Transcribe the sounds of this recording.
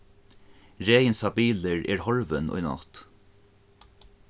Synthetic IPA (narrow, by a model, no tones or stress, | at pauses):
ɹeːjɪnsɑbiːləɹɛ̰ːɹhɔɹʋənʊ̰jnɑ̰t̪